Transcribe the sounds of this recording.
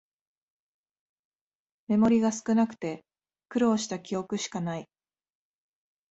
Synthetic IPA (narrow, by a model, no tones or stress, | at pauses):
me̞mo̞ɾʲiɡasɨ̥kɯ̟nakɯ̟̥t̪e̞ | kɯ̟ɾo̞ːɕi̥t̪akʲijo̞kɯ̟ɕi̥kanai